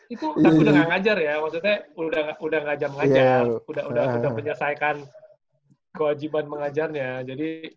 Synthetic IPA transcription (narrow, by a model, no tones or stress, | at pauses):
it̪ut̪apiudahŋaŋad͡ʒarjamaksut̪ɲɛudahŋaudahŋad͡ʒarməŋajd͡ʒarudahudaudahpəɲərsaikan | kəwad͡ʒibanməŋad͡ʒarɲad͡ʒadi